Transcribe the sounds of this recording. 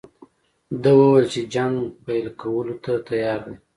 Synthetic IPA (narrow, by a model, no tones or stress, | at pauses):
d̪əwəwəlt͡ʃed͡ʒaŋɡpajlkawəlot̪at̪ajɑɾd̪i